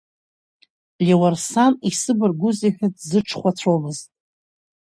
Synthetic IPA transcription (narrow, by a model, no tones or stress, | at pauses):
lʲiwarsamisɨbɨrɡʷʊziħʷᶣadzɨʈ͡ʂʰχʷat͡sʷʰomɨztʼ